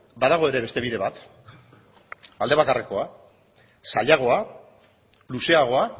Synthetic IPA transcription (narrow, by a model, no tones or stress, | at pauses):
baðaɣ̞o̞eɾe̞βe̞st̪e̞β̞iðe̞βat̪ | ald̪e̞β̞akareko̞a | saʎaɣ̞o̞a | luse̞aɣ̞o̞a